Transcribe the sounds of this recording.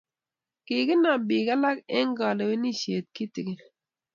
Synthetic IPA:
kɪ˨kɪ˦na˨bɪ˨ka˦la˦kɛ˦ŋ˦ɡɔ˨le˨we˦ni˦˨ʃe˨t̪̚ki˦tɪ˨kɪ˦

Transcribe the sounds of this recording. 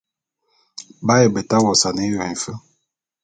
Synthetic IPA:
ba˦jɛ˨bə˨ta˦wɔ˨sa˨ne˨˦wa˨i˨fə˦

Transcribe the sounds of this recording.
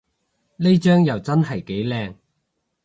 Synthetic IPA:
le˥jt͡ʃœː˥ŋjɐ˨wt͡sɐ˥nhɐ˨˩jke˨˥jlɛː˧ŋ

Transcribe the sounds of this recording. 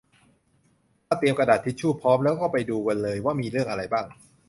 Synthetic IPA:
aː˥˩t̪i˧əmkɾa˧daː˨˩t̪ʰːi˦˥t̪̚t͡ɕʰuː˥˩pʰɔː˦˥mlɛː˦˥wkɔː˥˩pa˧jduː˧ka˧nlɤː˧jwaː˥˩miː˧ɾɯ˥˩əŋʔa˧ɾa˧jbaː˥˩ŋ

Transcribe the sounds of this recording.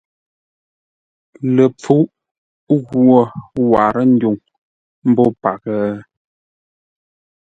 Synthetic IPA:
lə˨p͡fu˨˦ʔ | ɣwo˦˨wa˨ɾə˦n̩˦du˨ŋ | m̩˦bɔ˦pa˨kə˦

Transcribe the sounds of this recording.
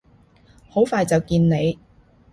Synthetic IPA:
ho˨˥wfaː˨˧jt͡sɐ˨wkiː˧nne˨˧j

